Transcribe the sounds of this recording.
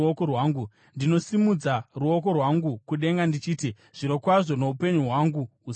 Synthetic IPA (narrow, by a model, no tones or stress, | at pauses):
okowaːŋɡu | ndino̞simud͡zaruo̞k̬o̞rwaŋɡukuɗe̞ŋɡandit͡ʃiːti | ʐ̥iɾo̞kwaʐo̞no̞upe̞ɲuɦwaŋɡuus